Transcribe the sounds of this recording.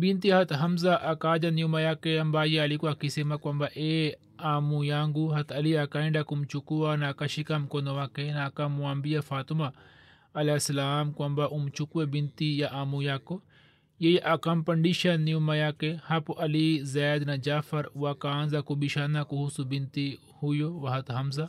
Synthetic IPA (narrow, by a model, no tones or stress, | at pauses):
bint̪iɦɐt̪ɦɐmzaʔɐkaːd͡ʒɐniumɐjakeɐmbaːjeɐlikuakisemakwɐmbaʔe | aːmujaːŋɡuɦɐt̪ʰɐliɐkaĩɳɖakumt͡ʃukuwanakaʃikɐmkonowakenakɐmuambijafaːt̪uma | ɐlasɐlaːmkwɐmbaʔumt͡ʃukuebint̪ijaʔaːmujako | jejʔɐkɐmpɐɳɖiʃɐnːijumɐjakehɐpuʔɐlizɛːd̪nɐd͡ʒaːfɐɾwakaːnzakubiʃanakuɦusubint̪i | hujoʋɐɦɐt̪ɦɐmza